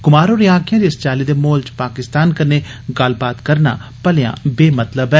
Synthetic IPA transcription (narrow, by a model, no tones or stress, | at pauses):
ɡʊmaːɾoːɾɪãːkʰɪjãd̪iːəst͡ʃaːliːd̪eːmoːlt͡ʃpaːkɪst̪aːnkəneːɡəlbaːt̪kəɾna̰ːpəljã̰ːbeːmət̪ləbɛː